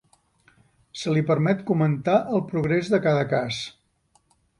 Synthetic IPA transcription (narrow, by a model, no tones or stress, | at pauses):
səlipəɾmɛt̪kumənt̪aʔəlˠpɾuɣɾezðəkaðəkas